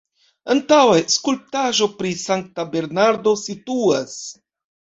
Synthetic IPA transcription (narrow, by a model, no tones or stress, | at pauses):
antaweskulp̚taʒo̞pɾisaŋk̚tabe̞ɾnaɾdo̞situas